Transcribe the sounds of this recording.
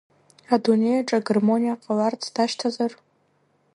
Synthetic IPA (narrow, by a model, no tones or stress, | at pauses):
adune̞jaʈ͡ʂʼaɡərmo̞nʲijaqʼalart͡sʰd̥aʃtʰazar